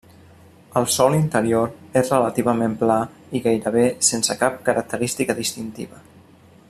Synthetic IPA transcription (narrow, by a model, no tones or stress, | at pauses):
əlˠsɔlint̪əɾioɾezrələt̪iβəmempla | iɣajɾəβ̞esensəkap̚kəɾʔək̚t̪əɾist̪ikəðist̪int̪ḭβə